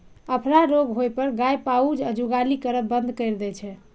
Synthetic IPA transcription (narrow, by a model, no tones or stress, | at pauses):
əpʰɾaɾoɡɦojpəɾɡajpaud͡ʒəd͡ʒuɡalikəɾət̪̚bənd̪ʱkəjɾd̪ɛt͡ʃʰɛ